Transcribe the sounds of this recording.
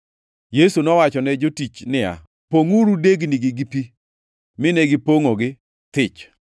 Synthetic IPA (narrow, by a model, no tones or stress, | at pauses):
jesunɔwat͡ʃɔnɛd͡ʒotit͡ʃnɪja̰ | poŋuɾudeɡnɪɡɪɡipi | mɪnɛɡɪpoŋoɡɪ | t̪ɪt͡ʃ